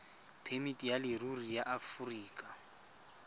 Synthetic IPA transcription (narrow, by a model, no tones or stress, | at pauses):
pʰemitʼijalɪrurijaʔafuriːkʼa